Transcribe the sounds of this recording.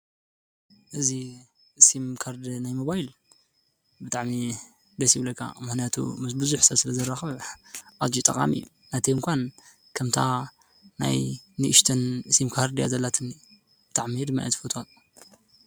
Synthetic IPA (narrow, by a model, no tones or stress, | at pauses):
ʔɨzi | ʔsimkʰaɾd̪najmoβajil | bɨt̪ʼaʕmi | d̪ɐsiβlɐkʰːa̰mɨxnijat̪ʰṵmɨsbɨzuħsɐsɨlɐzɐrːaxɨβʔad͡ʒit̪ʼɐkʼa̰mḭjːu | nat̪ʰiɨŋkʷʰan | kʰɐmt̪ʰa | na̰jnɨʔɨʃt̪ʰɐnsimkʰaɾd̪ija̰zɐlːat̪ʰɨni | b̥ɨt̪ʼaʕmid̪ɨmːa̰ʔa̰t̪ʰɨfot̪ʰo